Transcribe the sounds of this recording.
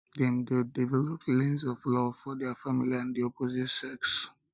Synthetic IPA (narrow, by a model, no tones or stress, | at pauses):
dɛmdedivɛlɔp̚tlẽnzɔvlɔfɔdɛəfamiliãndiɔpʰozitsɛks